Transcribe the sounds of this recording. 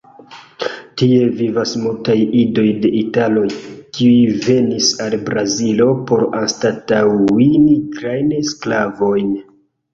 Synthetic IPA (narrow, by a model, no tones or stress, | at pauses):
tie̞vivasmultajido̞jde̞ʔitalo̞jkiujve̞nisalbɾazilo̞po̞ɾanstatawinikɾajnsklavo̞jn